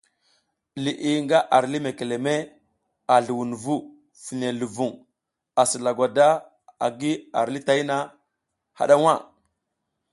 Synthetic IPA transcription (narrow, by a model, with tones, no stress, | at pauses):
li˨ʔi˨ŋɡa˦ʔa˨ɾli˦me˨ke˨le˨me˦ | a˨ɮu˨wu˨n˨vu˦ | fi˨ne˨lu˨vu˨ŋ | a˨si˨la˨ɡʷa˨da˦ | a̰˨ɡi˦a̰˨ɾli˦ta˦i˦na˦ | ha̰˨ɗa˦wa˦˨